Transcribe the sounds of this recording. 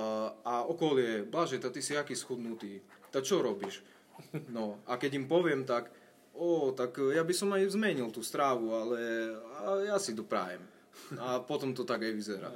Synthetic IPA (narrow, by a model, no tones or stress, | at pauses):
aɔkɔlɪɛblaʒɛt̪at̪isiakiːsxud̪nut̪iːt̪akt͡ʃɔɾɔbiːʃ | nɔakɛɟimpɔʋɪɛmt̪ak | ɔt̪akjabisɔmajzmɛɲilt̪uːst̪ɾaːʋualɛ | jasid̪ɔpɾa̰ːjɛ̰m | apɔt̪ɔmt̪ɔt̪aɡajʋizɛɾa̰ː